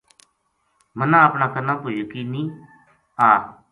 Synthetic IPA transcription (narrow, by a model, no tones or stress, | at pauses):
mənãːəpnãːkənãːpoːjokiːnĩː | aː